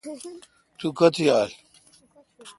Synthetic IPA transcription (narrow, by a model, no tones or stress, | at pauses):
t̪ukɐt̪ʰiaːl